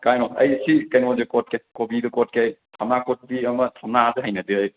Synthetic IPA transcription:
kajnɔɐ̰jsikɐjnozekot̚kejkobidɯkot̚kejtʰamnakot̚biɐmɐtʰamnadɯɦajnɐdɯɐj

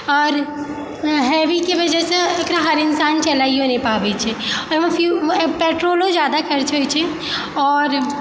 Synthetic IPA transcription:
ɔːɾ | ɦɛːʋikeʋɐd͡ʒɛseɐkɾaɦɐɾɪnsaːnt͡ʃɐlaːiɦõːnipaːʋet͡ʃʰɛɔːɾʋɐ̃fjupeːʈɾoːlõd͡ʒjaːd̪akɐɾt͡ʃʰot͡ʃʰɛ | ɔːɾ

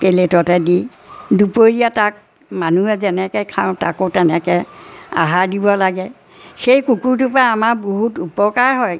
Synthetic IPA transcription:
peletɔtɛdi | dupoɹijatak̚ | manuɛzɛnɛkɛjkʰãʊ̃ta̰kotɛnɛkɛa̰ɦaɹdibɔlaɡɛ | xejkukuɹtʊpɹaːmaɹboɦutupɔkaɹɦɔj

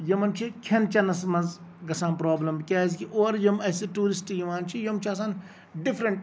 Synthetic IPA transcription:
jɐmɐnt͡ʃʰikʲʰɐnt͡ʃʰɐnɐsmɐz | ɡɐsaːnpɾoːblɐmbkʲaːzkiʔoːɾjɐmɐseʈuːɾisʈijiʋaːnt͡ʃʰijɐmt͡ʃʰɐs̬aːn | ɖifʰɾɐɳʈ

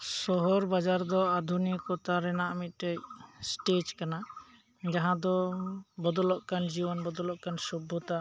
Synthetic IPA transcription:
sɔɦɔɾbad͡ʒaɾd̪ɔad̪ʱunikɔt̪aɾɛnaʔmit̪̚ʈəc̚sʈed͡ʒkana | d͡ʒaɦãd̪ɔbɔd̪ɔlɔʔkand͡ʒibɔnbɔd̪ɔlɔʔkansɔbʱːɔt̪a

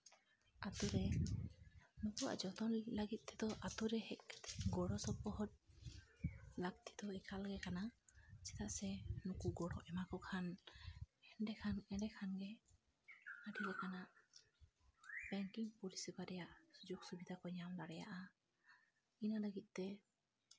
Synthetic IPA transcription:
at̪ɔɾɛ | nukuwa̰ʔd͡ʒɔt̪ɔnləɡit̪̚ˀt̪ʰɛd̪ɔʔat̪uɾɛhɛʔ̪ɡɔɽɔsɔb̚ɔɦɔt̪̚ | lak̚t̪ʰi̥d̪ɔɛkʰalɡɛkanasɛ̥t̪aʔsɛnukuɡɔɽɔʔɛmakɔkʰan | ɛnɖɛkʰanɛnɖɛkʰanɡɛ | aɖilɛkanaʔ | b̥ɛŋkiŋpuɾisibaɾɛjaʔsud͡ʒuɡsubid̪ʱakɔɲamlaɽɛja̰ʔa | inaləɡit̪̚ˀt̪ɛ

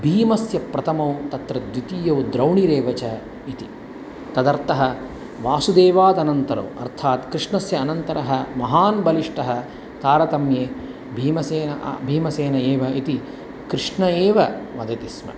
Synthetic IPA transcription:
bʱiːmɐsjɐpɾɐt̪ʰɐmɐwt̪ɐt̪ɾɐd̪ʋit̪ijɐwd̪ɾɐwɳiɾeːʋɐt͡ʃɐ | it̪i | t̪ɐd̪ɐɾt̪ɐɦɐ | ʋaːsud̪eːʋaːd̪ɐnɐnt̪ɐɾɐ̰wɐ̰ɾt̪ʰaːt̪kɾɪʂɳɐsjɐːnɐnt̪ɐɾɐɦɐ̆mɐɦaːnbɐliʂʈɐɦɐ̆ | t̪aːɾɐt̪ɐmjeː | bʱiːmɐseːnɐʔbʱiːmɐseːnɐeːʋɐit̪i | kɾɪʂɳɐeːʋɐmɐd̪ɐt̪ismɐ̰

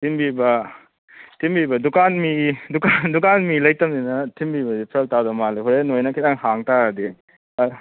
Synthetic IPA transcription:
tʰimbibɐ | tʰimbibɐdukanmidukandukanmilɐjtɐmdinɐtʰimbibɐdipʰɾɐk̚tawdɐmaleɦuɾenojnɐkʰitaŋhaŋtadi

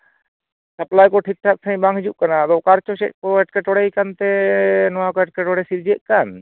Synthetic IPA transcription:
səplajkɔʈʰik̚ʈʰak̚t̪ʰaj̃baŋɡɦd͡ʒuʔkanat̪ɔkaɾt͡ʃɔʃɛ̰t̪̚kɔɛʈkɛʈɔɽɛjkant̪ɛnɔwakɔɛʈ̚kɛʈɔɽɛsiɾd͡ʒəʔ̪̚ˀkan

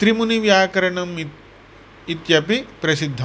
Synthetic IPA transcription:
t̪ɾimuniʋjaːkɐɾɐɳɐm | it̪jɐpipɾɐsid̪ʱːɐ

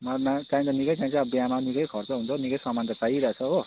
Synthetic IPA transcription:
mʌnakaĩt̪ʌnikʌjt͡saĩnt͡sʰʌbijamanikʌjkʰʌrt͡sʌɦunt͡sʰʌnikʌjsʌmːant̪ʌt͡saiɾʌt͡sʰʌɦo

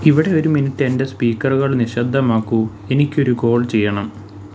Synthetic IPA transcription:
iʋiɽe̞o̞ɾuminitːende̞spiːkːɐrɣɐɭniɕɐd̪ʱːɐmaːkːu | e̞nikʲːo̞ɾuɡo̞ːɭt͡ɕe̞jːɐɳɐm

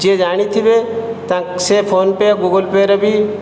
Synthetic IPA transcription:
d͡ʒed͡ʒaːɽ̃it̪ʰibet̪ãsepʰoːnpeɡuɡəlpeɾɔbʱi

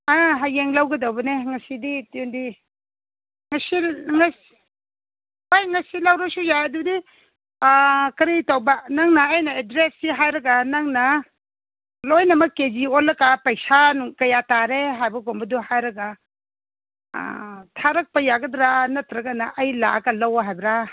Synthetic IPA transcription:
aɦajeŋlawɡɐdawbɐneŋɐsiditundi | ŋɐsiŋɐs | hojŋɐsilawɾɐsujaɐdudi | kɐɾitawbɐnaŋnɐːjnɐedɾesːiɦajɾɐɡanaŋnɐ | lojnɐmɐkeziolːɐkapɐjsanukɐjataɾeɦajbɐɡombɐduhajɾɐɡa | tʰaɾɐk̚pɐjaɡɐdɾanɐtɾɐɡanɐʔɐjla̰ɐɡɐlawaɦajbɾa

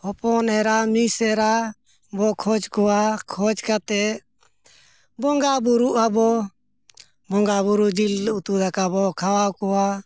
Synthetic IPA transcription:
hɔpɔnɛɾamisɛɾa | bɔkʰɔd͡ʒkɔakʰɔd͡ʒkat̪ɛ | bɔŋɡabuɾuʔabɔ | bɔŋɡabuɾud͡ʒilut̪ud̪akabɔkʰawakɔa

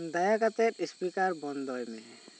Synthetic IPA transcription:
d̪ajakat̪eɾispikaɾbɔnd̪ɔjmɛ

